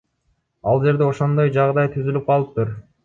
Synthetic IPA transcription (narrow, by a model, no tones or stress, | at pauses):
ɑlˠd͡ʒe̞ɾd̪e̞o̞ʃo̞nd̪o̞jd͡ʒɑʁd̪ɑjt̪ʰyzylyp̚qɑlˠɯp̚t̪uɾ